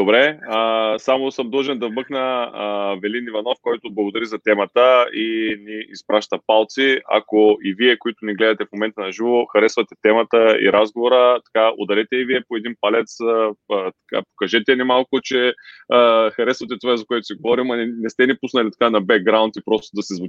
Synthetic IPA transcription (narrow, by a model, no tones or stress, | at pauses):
d̪̥obɾɛəsamosɤmd̪ˠʒɛnd̪ɐvmɤxnə | vɛlinivɐnɔfkɔjt̪oblˠɐɡod̪ɐɾizɐt̪ɛmɐt̪əiniispɾaʃt̪ɐpalˠt̪sia̰koiviɛkoit̪ʊniɡlɛd̪ɐt̪ɛfmomɛnt̪ɐənɐʒivoxɐɾɛsvɐt̪ɛt̪ɛmət̪əḭɾazɡovoɾət̪ɐ̥kao̰d̪ɐɾɛt̪ɛiviɛpoɛd̪inpalɛt̪s | t̪ɐ̥ka̰po̥kɐʒɛt̪ɛnɛmalˠkʊt͡ʃɛ | xɐɾɛsvɐt̪ɛt̪ovazɐkoɛt̪ʊ̥siɡovɔɾimɐnɛst̪ɛnipusnɐlʲit̪ɐ̥kanɐbɛk̚ɡɾaʊnt̪ipɾɔst̪od̪ɐsizvʊt͡ʃ